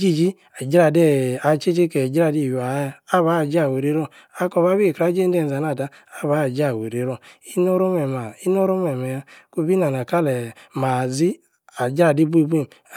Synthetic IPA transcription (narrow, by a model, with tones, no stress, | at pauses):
d͡ʒi˦˨d͡ʒi˦ | a˨d͡ʒɾa˧˨dɛ˦˨a˨t͡ʃe˦t͡ʃe˦kɛ˨d͡ʒɾa˦˧˨di˧˨ju˨a˨˦˧a˦βa˨˦˨d͡ʒa˦˨we˨ɾe˧˦ɾɔ˧˨ | a˨˦kɔ˧˨βa˦bi˦˨kɾa˦d͡ʒe˦n˦dɛ˦˧˨n˨za˨na˧˨da˧ | a˦˨βa˨˦˨d͡ʒa˦˨we˨ɾe˨˦ɾɔ˧˨i˦no˦ɾo˦mɛ˨ma˨i˦no˦ɾo˦mɛ˨mɛ˨ja˧ku˧˦bi˦na˨n˨a˨ka˦lɛ˨ma˨zi˦ | a˨d͡ʒɾa˧˨di˦bu˦i˦˧be˦˨m